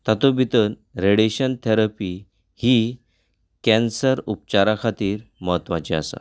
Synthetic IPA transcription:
t̪at̪obʱit̪ən | ɾeɽeɕənt̪ʰeɾəpiː | hiː | kɛ̃nsəɾup̚t͡ɕaɾakʰat̪iːɾməɦət̪ʋat͡ɕḭa̰sa̰

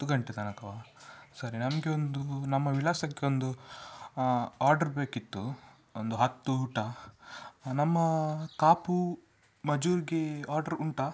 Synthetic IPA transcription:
t̪ːuɡɐɳʈed̪aːnɐkɐʋaːsɐɾinɐmɐɡe̞ond̪unɐmːɐʋilaːsɐkːe̞o̞nd̪u | aːɾɖɐɾbe̞ːkit̪ːu | ond̪uɦɐt̪ːuːʈɐ | nɐmːɐkaːpu | mɐd͡ʒuːɾiɡe̞aːɾɖɐɾuɳʈɐ

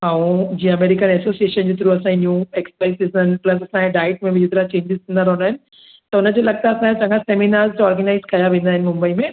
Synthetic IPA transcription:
ɦãũd͡ʑiːɐmeːɾɪkənesoːsieːʃənd͡ʑet̪ɪɾuɐsãinjuːeːkspɾaɪsizənplɐs̬ɐsãẽɖaːɪʈ̚mẽbʱid͡ʑɪt̪əɾat͡ɕẽːɲd͡ʑɪzt̪ʰĩnd̪aɾɐɦnaːɦɪnɪ̆ | t̪ɐʊnəd͡ʑelɐɡ̚t̪aɐsãt̪ãːŋkʰaseːminaːɾzd͡ʑoɔːɾɡənaɪzkʰɐjaʋẽːn̆d̪aːɦɪnɪ̆mʊ̃mbəimẽ

